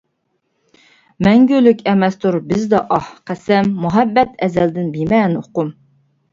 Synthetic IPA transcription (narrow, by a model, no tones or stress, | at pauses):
mɛŋɡʲølykʲɛmɛst̪ʰuɾbɪzd̪ɑʔɑhqʰæsɛmːuɦɛbːɛt̪ɛzɛld̪ɪnbimɛnoqʊm